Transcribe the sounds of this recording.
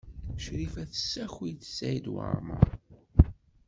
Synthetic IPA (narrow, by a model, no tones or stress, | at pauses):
ʃɾifæθə̥sːæçijθə̥sːæjd̪wə̰ɾˤmə̰ɾ